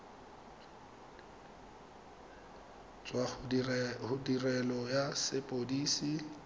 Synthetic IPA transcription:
t͡sʼwaχhʊdirɛlɔjasɪpʼodiːsi

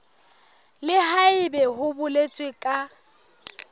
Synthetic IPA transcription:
lɪhaɪbɛhʊbʊlet͡sʼwɪkʼa

